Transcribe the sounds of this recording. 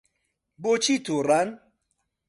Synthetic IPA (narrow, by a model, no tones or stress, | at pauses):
bot͡ʃitoɾan